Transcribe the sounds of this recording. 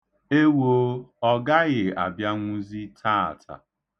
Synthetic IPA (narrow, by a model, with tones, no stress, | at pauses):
e˦wo˦ɔ˦ɡa˦ɣɪ˨a̰˨bja˦ŋʷʊ˦zi˦tʰa˦a̰˨tʰa̰˨